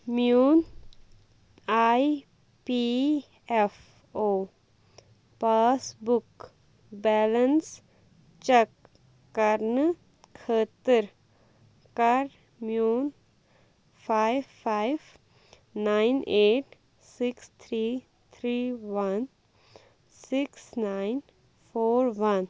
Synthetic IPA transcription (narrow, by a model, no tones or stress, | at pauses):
mjuːn | aːj | pi | ɛf | oː | paːsbʊk | bɛːləns | t͡ʃɛkː | ɐɾn | kʰəːt̪əɾ | kɐɾ | mjuːn | pʰaːɪʋfaːɪʋ | naːɪnʔeːʈ | sɪkst̪ʰɾiː | t̪ʰɾiːʋɐn | sɪksnaɪn | fʰoːɾʋɐn